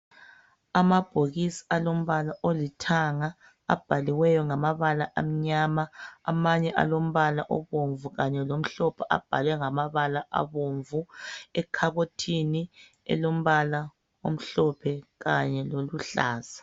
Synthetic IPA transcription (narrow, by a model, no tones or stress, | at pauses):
amab̥ʱoɣisi̥alom̩βalaʔolitʰaŋa | a̰b̥ʱaliwɛjɔŋamaβalaʔam̩ɲaːma̰ːmaɲɛʔa̰lom̩βalaʔɔ̰βoɱvuɣaɲɛlom̩ɬɔpʰɔʔa̰b̥ʱalwɛŋamaβalaʔa̰βoɱvuɛkʰaɣotʰini | ɛ̰lom̩βala | om̩ɬɔpʰɛɣaɲɛloluɬa̰ːz̥ḁ